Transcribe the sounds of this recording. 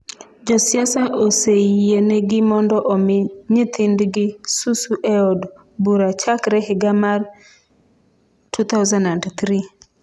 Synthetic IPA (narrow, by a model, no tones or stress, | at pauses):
d͡ʒɔsjasaʔoseieneɡɪmɔndɔʔɔmɪɲɪt̪ʰɪndɡɪsusuʔɛɔd | buɾat͡ʃakɾɛɦɪɡamar | tʰut̪awzanandt̪ɾi